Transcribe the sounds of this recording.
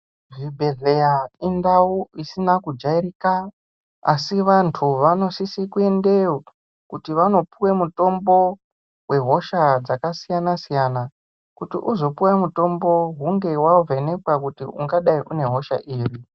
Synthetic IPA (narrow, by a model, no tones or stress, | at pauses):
ʐibʱe̞ɮe̞jaindauisinakud͡ʒaiɾika | a̰siʋantʰuʋano̞sisikue̞ndeo | kutiʋano̞puwemuto̞mbo̞ | we̞ɦo̞ʃad͡zakasijanasijana | kutiʔuzo̞puwemuto̞mbo̞ɦuŋɡe̞wavene̞kwakutḭṵŋɡaɗaiʔune̞ɦo̞ʃa̰ʔiːri